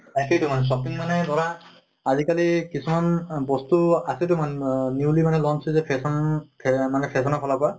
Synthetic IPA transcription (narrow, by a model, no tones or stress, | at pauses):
ɛsitʊmanɛs̬ɔpinmanɛdɔɹa | azikalikisumanbɔstuasitʊmanniwlimanɛlɔnsʰizɛpʰɛsɔnpʰɛmanɛpʰɛs̬ɔnapʰɔlapa